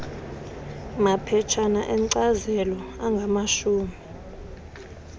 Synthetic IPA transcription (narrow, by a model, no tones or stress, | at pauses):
mapʰɛt͡ʃʰanaʔɛǀazɛlɔaŋɡʱamaʃuːmi